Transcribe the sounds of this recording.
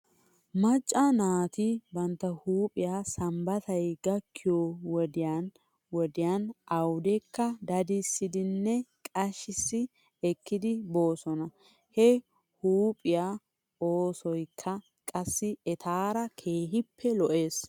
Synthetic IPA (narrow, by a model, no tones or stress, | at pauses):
mɐt͡ʃʼːɐnaːt̪ɪbɐnt̪ːɐhuːpʼɪjaːsɐmbɐt̪ɐjɡɐkʰːɪjowɔd̪ɪjan | wɔd̪ɪjanʔɐwd̪ɛkːɐd̪ɐd̪ɪsːɪd̪ɪnːɛkʼɐʃɪsːɪ | ɛkːɪd̪ɪbo̞ːsɔnɐ | hɛ | huːpʼɪjaː | oːsɔjkʰːɐ | kʼɐsːɪɛt̪ʰaːɾɐkʰe̞ːɦɪpːɛlɔʔe̞ːs